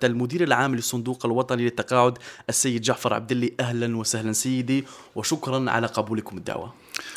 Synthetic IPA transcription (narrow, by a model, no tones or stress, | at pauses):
ælmʊd̪iːɾəlʕaːmːləsˤːʊnd̪uqəlwɑt̪ˤɑnilət̪ːɑqɑːʕʊd̪ʔəsːæjːəd̪ʒaʕfɑɾˤʕa̰b̚d̪əlːiʔæhlænwasahlænsæjːəd̪iwəʃʊkɾˤɑnʕa̰laqɑbuləkʊməd̪ːa̰ʕwa̰